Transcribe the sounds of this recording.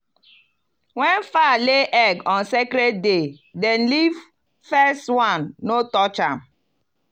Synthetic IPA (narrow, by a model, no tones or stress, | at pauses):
wɛ̃nfaleʔɛɡɔ̃nsekɾɛd̚dedɛ̃nliv | fɛstwãnːotɔt͡ʃãm